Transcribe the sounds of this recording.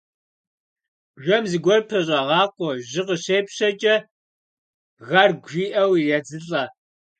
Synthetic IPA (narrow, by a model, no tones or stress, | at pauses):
ʒʷɔmziɡʷɔrpʰɐɕʼɐʁɑːqʷʼɔʑɨqəɕeːpɕɐt͡ʃʼɐ | ɣɐrɡʷʒiːʔɐwjɐd͡zɨɬʼɐ